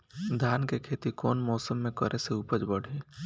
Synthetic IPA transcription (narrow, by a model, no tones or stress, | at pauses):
d̪ʱjaːnkekʰeːt̪ikoːnmɔːsəmːẽkəɾʔeseuːpəd͡ʒbəɽ̤eː